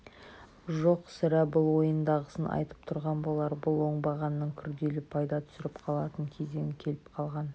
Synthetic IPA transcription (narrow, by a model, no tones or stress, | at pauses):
ʒoqsɪɾæbʊlˠwo̞jənd̪ɑʁəsənɑ̰jt̪ə̥pt̪ʰʊɾʁɑnbo̞lˠɑɾbʊlˠwo̞ɴbɑʁɑnːəɴkʲʰʏɾd̪e̞lɪpʰɑjd̪ɑt̪ʰʏ̥sɪɾɪpqʰɑlˠɑt̪əɴkʲʰe̞ze̞ŋɪkʲʰe̞lɪpqʰɑlˠʁɑn